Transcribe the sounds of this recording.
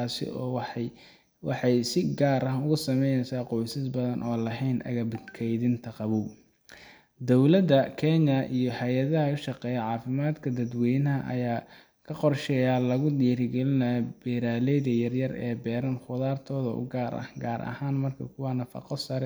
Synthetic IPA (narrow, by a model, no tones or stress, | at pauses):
asɪ̰ɔː | wɑ̰ħɑjsɪɡaːɾɐɦʊɣʊsɐmɛjnɛjsaːqɔjsɪsbɐðɐnʔɔːlɐɦɛjnʔɐ̰ɣɐbɪd̪kʰɛjðɪnt̪ʰɐqɑβuː | d̪ɔwlɐd̪ɐkʰɛnɐʔijɔhɐjɐðɐɦɐʊʃɑqɛːjɐʕɑːfɪmaːd̪kʰɐd̪ɐd̪wɛjnɐɦɐʔɐ̰jaː | kʰɐqɔrʃɛːjaːlɐɣʊd̪iːɾɡɛlɪnɐb̥ɛːɾaːlɛjðɐjɐrjɐrɛ̰ːbɛːɾɐnχʊðaːrt̪ʰɔːðɐ̰ʊ̰ɡaːɾʔɐ̰hɡaːɾʔɐ̰haːnmɐrkʰɐkʰʊwɐnɐfɑ̰qɔsɐɾɛ